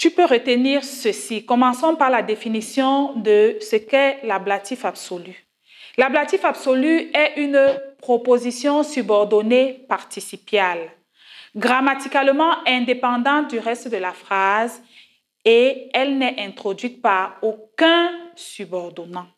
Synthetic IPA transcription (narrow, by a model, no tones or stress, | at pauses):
t̪ypøʁət̪əniːʁsəsikɔmɑ̃sɔ̃paʁlad̪efinisjɔ̃d̪əsəkɛlablat̪ifabsoly | lablat̪ifabsolyɛʔynpχopozisjɔ̃sybɔʁd̪ɔnepaʁt̪isipjal | ɡʁamat̪ikaləmɑ̃ɛ̃d̪epɑ̃d̪ɑ̃t̪̚d̪yʁɛst̪d̪əlafχaz | eɛlnɛʔɛ̃t̪χod̪ɥit̪̚paʁokɛ̃sybɔʁd̪ɔnɑ̃